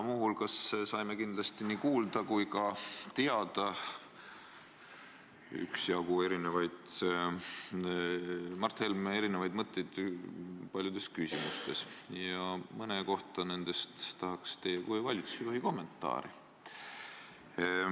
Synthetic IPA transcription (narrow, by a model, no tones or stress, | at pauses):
muɦulkɑssɑjme̞kind̪̥lɑst̪inikuːld̪̥ɑkujkɑt̪eɑd̪̥ɑ | y̰ksjɑɡue̞ɾine̞vɑjd̪̥ | mɑrt̪helme̞ɾine̞vɑjd̪mɤt̪ːˑejd̪̥ | pɑlʲjud̪̥e̞skysʲimust̪e̞sjɑmɤneko̞ht̪ˑɑne̞nd̪̥e̞st̪t̪ɑɦɑkst̪e̞ːjɑkujvɑlʲit̪su̥sikohiko̞mːe̞nt̪ːˑɑ̰ːɾḭ